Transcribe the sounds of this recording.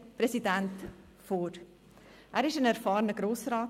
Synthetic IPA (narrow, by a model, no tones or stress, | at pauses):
pɾesidænt | foːɾ | ʔæːɾɪʃənæɾfɑːɾənəɡɾoːsrɑː